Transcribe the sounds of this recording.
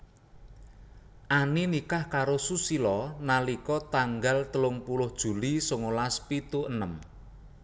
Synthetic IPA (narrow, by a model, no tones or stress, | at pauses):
ʔaninikahkaɾosusilɔnalikɔt̪aŋɡalt̪əlʊŋpulʊhd̥ʒ̥ṳlisoŋolaspit̪uʔənəm